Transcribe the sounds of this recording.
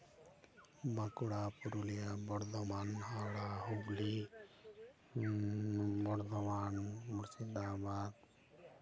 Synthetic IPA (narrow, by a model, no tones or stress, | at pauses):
bakuɽapuɾulijabɔɽd̪ɔmaːnɦaɽaɦubli | bɔɾd̪ɔmanmuɾsid̪aːbad̪